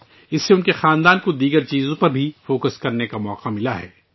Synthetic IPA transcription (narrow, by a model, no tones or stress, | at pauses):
ɪsːeʊnkexaːnd̪aːnkod̪iːɡəɾt͡ʃiːzõpɐɾbʱifoːkəskɐɾnekamɔːqamɪlaɦɛː